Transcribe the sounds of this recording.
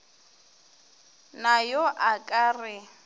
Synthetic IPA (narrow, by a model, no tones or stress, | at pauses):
najɔʔakʼaːrɪ